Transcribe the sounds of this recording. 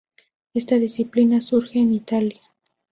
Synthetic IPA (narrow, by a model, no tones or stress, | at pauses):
est̪aðɪsiplinasuɾxeːnit̪alja